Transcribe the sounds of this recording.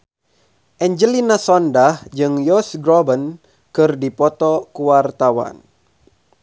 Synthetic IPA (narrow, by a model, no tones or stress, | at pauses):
ʔɛɲd͡ʒəlinasɔndahd͡ʒɨŋjɔsɡɾɔbən | kɨrdipɔt̪ɔkuwart̪awa̰n